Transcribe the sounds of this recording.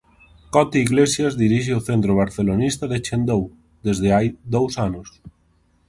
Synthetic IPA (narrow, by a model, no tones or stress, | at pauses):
kɔt̪iiɣlesjazðiɾiʃeoθent̪ɾoβ̞aɾθelonist̪aðet͡ʃend̪ow | d̪ezðeajd̪owsanʊs